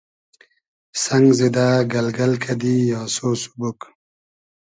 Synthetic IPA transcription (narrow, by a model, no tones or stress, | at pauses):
saŋɡzid̪aːɡɐlɡɐlkʰad̪ijaːsoːsu̥buk